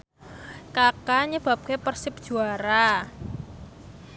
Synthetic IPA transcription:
kakaɲəb̥a̤p̚kepərsɪp̚d̥ʒ̥ṳaɾa

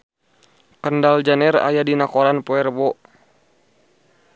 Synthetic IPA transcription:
kəndald͡ʒanɛra̰jadinakoɾanpoɛrbɔ

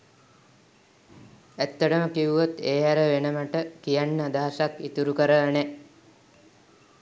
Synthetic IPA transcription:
æt̪ːəʈəməkiuʋot̪eːɦæɾəʋenəməʈəkijanːəad̪aɦasakit̪uɾukəɾənɛ

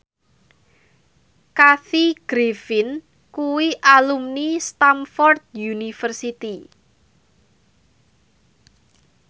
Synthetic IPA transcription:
kaθiɡ̥ɾefɪn | kuwiʔalumnist̪amfɔrd̪̚junifərsit̪i

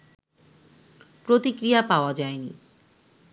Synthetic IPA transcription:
pɾot̪ikɾijapaoad͡ʑaenḭ

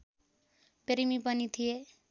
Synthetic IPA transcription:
peɾimipʌnit̪ʰije

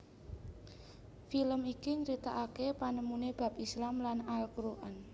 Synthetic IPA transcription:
filəmikiɲɾit̪aʔakepanəmuneb̥a̤pislamlanalkɾuʔan

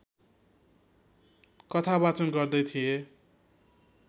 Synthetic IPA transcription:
kʌt̪ʰaβat͡sʌnɡʌrd̪ʌjt̪ʰie

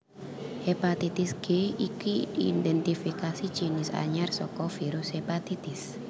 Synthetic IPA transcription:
hepat̪it̪isɡ̥eikiindɛnt̪ifikasi̥t͡ʃinɪsa̰ɲarsɔkɔfiɾʊshepat̪it̪ɪs

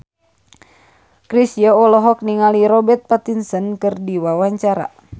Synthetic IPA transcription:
kɾisijɔɔlɔɦɔk̚niŋaliɾɔbɛt̪̚pat̪insənkɨrdiwawaɲt͡ʃaɾa̰

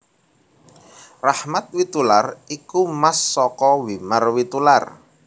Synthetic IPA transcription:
rahmat̪̚wit̪ularikumasːɔkɔwimarwit̪ular

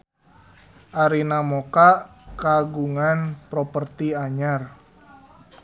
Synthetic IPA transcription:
ʔaɾinamɔkaʔkaɡuŋanpɾɔpərt̪iaɲar

